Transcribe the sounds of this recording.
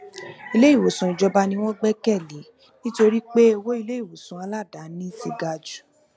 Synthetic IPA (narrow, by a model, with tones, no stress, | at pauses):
i˧le˦i˦˨wo˨sũ˨i˨d͡ʒɔ˧ba˧nĩ˧w̃ɔ̃˦ɡ͡bɛ˦kɛ˦˨li˨˦ | nĩ˦to˧ɾi˦k͡pe˦o˦˧wo˦i˦˧le˦i˦˨wo˨sũ˨a˧la˦˨da˨˦nĩ˦sḭ˧ɡa˧d͡ʒu̥˨˦